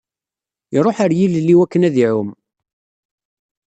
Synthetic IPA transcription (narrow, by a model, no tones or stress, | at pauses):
iɾˤoħaɾjillːiwækːənæðiʕʊm